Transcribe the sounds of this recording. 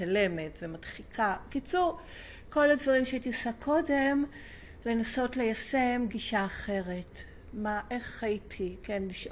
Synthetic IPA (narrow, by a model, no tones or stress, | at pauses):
ale̞me̞tvemadχikʰakit͡suʁ | ko̞ladvaʁimʃeait̪iosakʰo̞de̞m | le̞naso̞tle̞jase̞mɡiʃaːχe̞ʁe̞t | maʔe̞χaitʰikenliʃʔ